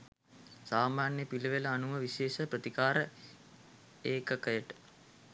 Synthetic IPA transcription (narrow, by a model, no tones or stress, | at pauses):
saːmaːnjəpiləʋeləːnuʋəʋiʃeːʃəprət̪ikaːɾə | eːkəkəjəʈə̥